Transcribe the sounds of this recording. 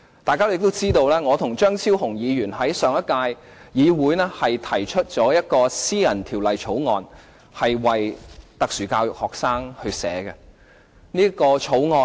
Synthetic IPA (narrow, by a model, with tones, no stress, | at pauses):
t̪aː˨jkaː˥o˥ɪ˨k̚t̪o˥wt͡siː˥t̪o˧wlɛː˥ŋɔː˨˧t̪ʰʊ˨˩ŋt͡ʃœː˥ŋt͡sʰiː˥whʊ˨˩ŋjiː˨˧jyː˨˩nɦɐ˨˥jsœː˨˧ŋɐ˥t̚kaː˧j | jiː˨˧wuː˨˥jnɛ˥hɐ˨jt̪ʰɐ˨˩jt͡ʃʰɵ˥t̚t͡sɔː˨˥jɐ˥t̚kɔː˧siː˥jɐ˨˩nt̪ʰi˨˩wlɐ˨jt͡ʃʰo˨˥wŋɔː˨˧n | hɐ˨jwɐ˨jt̪ɐ˨k̚syː˨˩kaː˧wjʊ˨k̚hɔː˨k̚saː˥ŋhɵ˧ɥsɛ̰ː˨˧˥ɡɛ˧ | niː˥kɔː˧t͡ʃʰo˨˥wŋɔː˧